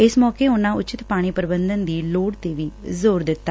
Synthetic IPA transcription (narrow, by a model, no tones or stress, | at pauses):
ɪsmɔːkeːʊnãːʊt͡ʃɪt̪paːɽ̃iːpəɾɪbənd̪ənd̪iːloːɽt̪eːʋiːzoːɾd̪ɪt̪ːaː